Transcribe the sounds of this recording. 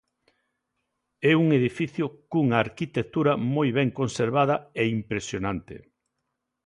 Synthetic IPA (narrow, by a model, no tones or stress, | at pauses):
ɛuŋeðifiθjʊkuŋaːɾkit̪ek̚t̪uɾɐmojβɛŋkonseɾβað̞ɐeimpɾesjonãnt̪ḛ